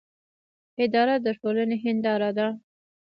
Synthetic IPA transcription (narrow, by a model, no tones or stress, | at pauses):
ɪd̪ɑɾad̪əʈolaneɦɪnd̪ɑɾad̪a